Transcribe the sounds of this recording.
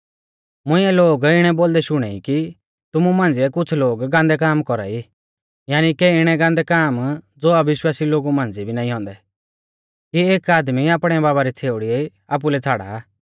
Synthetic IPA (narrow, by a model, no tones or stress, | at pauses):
mʊ̃ɪ̃ɛloːɡɪɽ̃ɛboːld̪ɛʃʊɽ̃ɛiki | t̪ʊmumãːnd͡ziɛkʊt͡sʰloːɡɡãːnd̪ɛk̬aːmkɔɾa̰i | jaːnikɛɪɽ̃ɛɡãnd̪ɛkaːmd͡zoːɐbɪʃwaːsiloːɡumãːnd͡zibʱinãːĩɦɔ̃ːnd̪ɛ | kieːkaːd̪miaːpɽ̃ɛbaːβaɾit͡sʰeːʊɽiɛ | aːp̬ulɛt͡sʰaːɽa̰